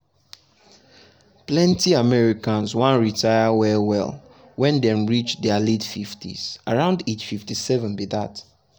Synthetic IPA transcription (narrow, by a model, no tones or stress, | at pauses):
plɛ̃ntiamɛɹikãnzwãnɹitʰaɪəwɛwɛ̰l | wɛ̃ndɛ̃mɹit͡ʃdɛaledfiftḭz̥ʔaɹãʊ̃ndet͡ʃfiftisɛvə̃nbiðat